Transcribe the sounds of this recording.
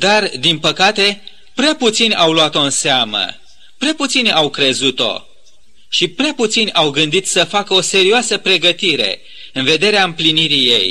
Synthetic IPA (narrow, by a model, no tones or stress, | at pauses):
d̪ard̪inpəkat̪e̞ | pɾeaput̪sinʲawluat̪o̞ɨnseamə̰ | pɾeaput̪sinʲawkɾe̞zut̪o̞̰ | ʃipɾeaput̪sinʲawɡɨnd̪it̪səfakəo̞se̞ɾioasəpɾe̞ɡət̪iɾe̞̰ | ɨnve̞d̪e̞ɾeaɨmpliniɾije̞̰j